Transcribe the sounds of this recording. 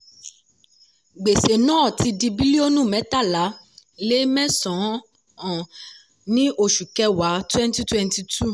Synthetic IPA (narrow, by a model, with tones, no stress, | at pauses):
ɡ͡be˨se˨nãː˨˦˨ti˧di˧bi˦li˦o˦nũ˦˨mɛ̃˨˦ta˦˨la˨˦ | le˦mɛ̃˦sɔ̃˨˦ | ɔ̃˨ | nĩ˦ʔo˧˨ʃu˨kɛ˧wa˨˦twɛ̃˦n˦ti˦twɛ̃˦nti˧tʰu˦˨